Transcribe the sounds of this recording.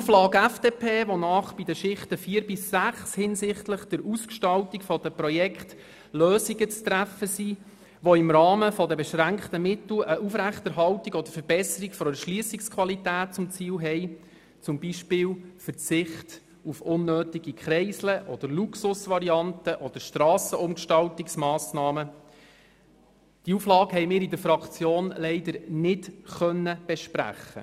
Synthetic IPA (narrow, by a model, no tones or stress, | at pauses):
uflɑːɡæfd̥eːpʰeːʋonɑːχb̥idəʃɪχtəfiːɾbɪsːæχshɪnsɪχtləχd̪̥əɾuskʃtɑltikfɔd̥̪əprɔjɛkχt | løːsiɡət͡st̪ɾæfəsi | ʋoɪmɾɑːməfɔd̪əbɛʃɾæŋktəmɪt̪l̩əʔufɾæχtɛɾɦɑltiɡɔd̪əɾfəɾb̥ɛsəɾikfɔɛʃliəsikskʰʋɑlitæːt̚t͡sʊmt͡siːlɦɛj | t͡sʊmbiʃpɪːlfəɾt͡sɪχt | ufʊnːøːtiɡikʰχɾɛɪsləʔɔd̥̪əɾluksʊsʋɑɾiɑnt̪əʔɔd̪əɾʃtɾɑːsəʊmkʃtɑltɪksmɑːsnɑːmə | d̥iuflɑːkɦɛɪmɪːɾid̪əɾfɾɑkt͡sjoːnlɛɪd̪əɾnɪtχœnːəb̥ɛʃpɾæ̰χːə̰